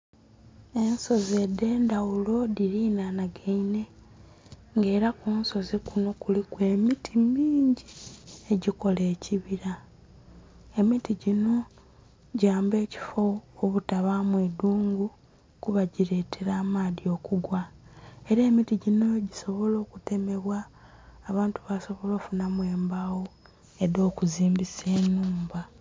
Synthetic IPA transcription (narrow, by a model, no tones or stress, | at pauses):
e̞nso̞ze̞de̞ːndawulo̞diɾinanaɡeine̞ | ŋɡe̞ːɾakuːnso̞zikuno̞kulikwe̞ːmitʰimiːɲɟieɟiko̞le̞ːciβiɾa | e̞mitiɟino̞ | ɟaːmbe̞ːci̥fo̞ːβutaβamweduːŋɡu | kuβaɟiɾe̞ːtʰe̞ɾaːmaːðio̞ːkuɡwae̞ɾeːmitiɟino̞ɟiso̞βo̞lo̞ːkute̞me̞βwaː | βaːntuβaso̞βo̞lo̞ːfunamwe̞ːmbawo | eðo̞ːkuziːmbise̞ːnuːmba